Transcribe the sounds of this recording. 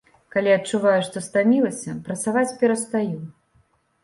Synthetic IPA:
kalʲiɐtt͡ʂuvajuʂt̪ɔst̪amʲilˠɐsʲɐpɾɐt̪savat͡sʲpʲɛɾɐst̪aju

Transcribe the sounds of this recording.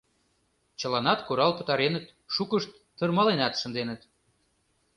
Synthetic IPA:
t͡ɕə̆lɑnɑt̪kuɾɑlpə̥̆t̪ɑɾenət̪ | ʃukəʃt̪ːərmɑlenɑt̪ʃə̆nd̪enət̪̚

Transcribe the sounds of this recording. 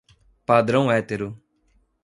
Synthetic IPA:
paːd̪ɾə̃ũɛːt̪eːɾo

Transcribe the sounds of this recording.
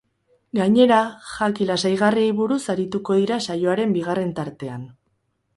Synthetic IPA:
ɡaɲe̞ɾaʝakilasajɣ̞ariejβuɾusaɾit̪uko̞ðiɾasajo̞aɾe̞mbiɣ̞are̞nt̪aɾt̪e̞an

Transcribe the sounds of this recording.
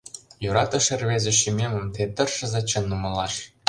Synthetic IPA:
juɾɑt̪ɤ̆ʂɘ̆rʲβʲezʲɘ̆ʃimʲemʲɘ̆mt̪et̪ɤ̆rʂɤ̆zɑt͡ɕɤ̆nːumɤ̆lˠɑʂ

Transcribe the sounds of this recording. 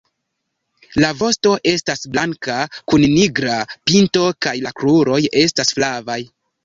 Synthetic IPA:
lavo̞sto̞ʔe̞stasblaŋkakunniɡɾapinto̞kajlakluɾo̞je̞stasflavaj

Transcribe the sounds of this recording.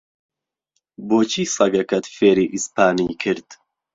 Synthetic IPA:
boːt͡ʃʰiːsɐɡɐkɐt̪feːɾiːʔispʰaːniːkʰɨɾd̪̥

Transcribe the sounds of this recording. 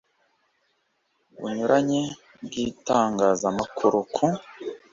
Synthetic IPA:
βṵɲuɾʔaɲe | bɡiːtaːŋɡaːzamakʰuɾokʰu

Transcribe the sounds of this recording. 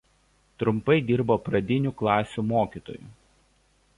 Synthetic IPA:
t̪ɾʊmpɐɪd̪ʲɪɾboːpɾɐd̪ʲɪnʲuːklˠɑːsʲumoːkʲiːt̪o̰ːjṵː

